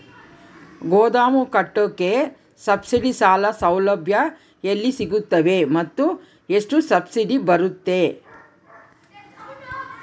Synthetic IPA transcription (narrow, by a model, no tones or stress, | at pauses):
ɡoːd̪aːmukɐʈːokːe | sɐbsiɖisaːlɐsɐwlɐbʱjɐ | ɐlːisiɡut̪ːɐʋe̞mɐt̪ːu | eʂʈusɐbsiɖibɐɾut̪ːe̞